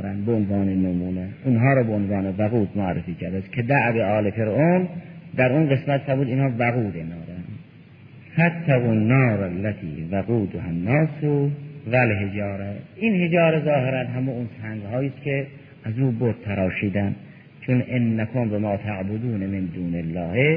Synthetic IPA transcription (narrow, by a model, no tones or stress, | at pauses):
ɾænbeonvɑːnenomuːnæʔunɦɑːɾɒːbeonvɑːnevæɣuːt̪moarːefiːcʰæɾd̪æːskʰed̪æʔbeʔɒːlepeɾʔond̪æɾʔunɡesmæt̪fæɾmuːd̪iːnhɑːvæɣuːd̪enɒːɾæn | fæt̪ʰːaɣunːɑːɾalːæt̪ʰḭːvaɣuːd̪ʊhanːɑːsovælɦed͡ʒɑːɾæʔinhed͡ʒɒːɾezɒːheɾæɦæmounsæŋɡhɑːjiːskʲʰe | æzuːboɾd̪̥̚t̪ʰæɾɒːʃiːd̪ænd̪ | t͡ʃʰonʔenːækʰombemɑːt̪ʰaʕbod̪uːnmend̪uːnelːɑːhe